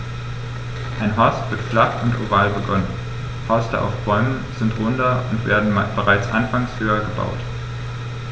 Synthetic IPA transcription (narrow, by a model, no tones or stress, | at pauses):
ʔaɪnɦɔɐstv̥ɪɐtflaχʊntʔo̰vaːlbəɡɔnən | hɔɐstəʔa̰ʊfb̥ɔʏmənz̥ɪntʁʊndɐʊntv̥ḛːɐdn̩b̥əʁaɪt͡sʔanfaŋshøːɐɡəba̰ʊt